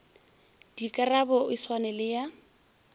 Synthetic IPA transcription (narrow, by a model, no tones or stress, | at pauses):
d̥ikʼarabɔiswanɛlɪja